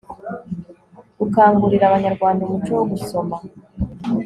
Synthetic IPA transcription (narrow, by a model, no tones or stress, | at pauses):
ɡukaːŋɡuɾiɾaβaɲaɾɡwaːndaumut͡ʃowoɡuso̞ma